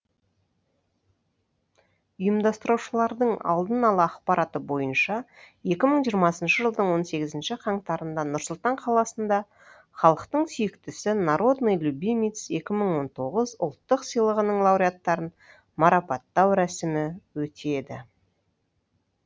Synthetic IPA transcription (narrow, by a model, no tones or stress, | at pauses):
ʊjəmd̪ɑst̪əɾuwʃəlˠɑɾd̪əɴɑ̰lˠd̪ənɑlˠəɑqpɑɾɑt̪əbo̞jənʃɑ | je̞kʲɪməɴʒijəɾmɑsənʃəʒəlˠd̪əɴwo̞nse̞ɡʲɪzɪnʃɪqʰɑɴt̪ɑɾənd̪ɑnʊɾsʊlˠt̪ɑɴqʰɑlˠɑsənd̪ɑ | χɑlˠəqt̪əɴsʏjɪkt̪ɪsɪnɑɾo̞d̪nojlʲubʲimit̪se̞kʲɪməɴwo̞nt̪ʰo̞ʁəzʊ̰lˠt̪ːəqsəjlˠəʁənəɴlˠɑwɾʲiat̪ːɑɾən | mɑɾɑpɑt̪ːɑwɾæsɪmɪwɵt̪e̞d̪ɪ